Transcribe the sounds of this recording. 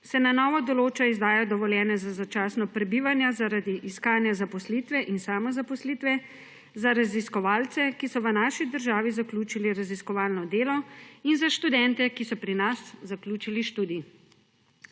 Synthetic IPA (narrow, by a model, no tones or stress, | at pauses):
sɛnanɔːʋɔd̪ɔloːt͡ʃaizd̪aːjɔd̪ɔʋɔljɛːnɛzazat͡ʃaːsnɔpɾɛbiʋanjazaɾad̪iʔiskaːnjazapɔslit̪ʋɛʔinsaːmɔzapɔsliːt̪ʋɛ | zaɾaziskɔʋaːlt̪sɛkisɔʋənaːʃid̪əɾʒaːʋizakluːt͡ʃiliɾaziskɔʋaːlnɔd̪eːlɔinzaʃt̪ud̪ɛnt̪ɛkisɔpɾinaszakluːt͡ʃiliʃt̪uːd̪i